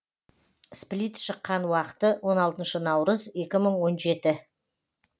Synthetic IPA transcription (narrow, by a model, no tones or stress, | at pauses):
splʲijt̪ʃəqːɑnwɑqə̥t̪əwʔo̞nɑlˠt̪ənʃənɑwɾəze̞kʲɪməɴwo̞nʒe̞t̪ɪ